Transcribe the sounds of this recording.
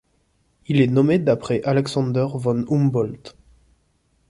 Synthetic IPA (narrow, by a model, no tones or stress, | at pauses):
ilɛnɔmed̪apχɛʔalɛksɑ̃d̪œʁvɔnumbɔlt̪